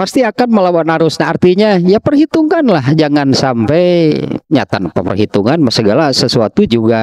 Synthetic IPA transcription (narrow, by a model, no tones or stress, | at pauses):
past̪iakanməlawanaɾʊsɲaart̪iɲajapərhit̪uŋanlahd͡ʒaŋansampajɲa̰t̪anpapə̰rɦit̪uŋanmasəɡalasəsuat̪ud͡ʒuɡa